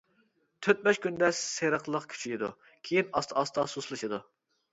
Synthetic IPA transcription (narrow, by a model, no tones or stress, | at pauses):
t̪ʰøt̪̚bɛʃkʲynd̪ɛseɾəqlˠəqkʲʰy̥t͡ʃʰiid̪ṵ | kʲʰejinɑst̪ʰɨɑst̪ɑsuslˠɨʃɨd̪u